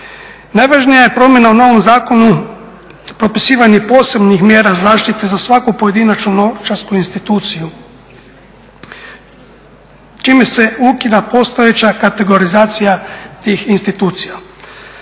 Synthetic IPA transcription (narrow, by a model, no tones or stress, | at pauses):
najʋaːʒnijaje̞pɾo̞mje̞nauno̞ʋo̞mzaːko̞nu | pɾo̞pisiːʋaɲepo̞ːse̞bnixmje̞ːɾazaːʃt̪it̪e̞zasʋakupoje̞d̪inat͡ʃnunot͡ʃaɾskuinst̪it̪uːt̪siju | t͡ʃiːmese̞ukid̪apo̞st̪oje̞t͡ɕakat̪e̞ɡo̞ɾizaːt̪sijat̪iːxinst̪it̪uːt̪sija